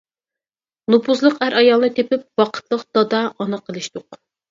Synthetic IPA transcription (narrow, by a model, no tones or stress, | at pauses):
nupuzlˠəqæɾʔɑjɑlˠnɨt̪ʰepɪp̚wɑqʰə̥t̪lˠəqd̪̥ɑd̪ɑɑnɨqʰːəlˠɨʃt̪ʊq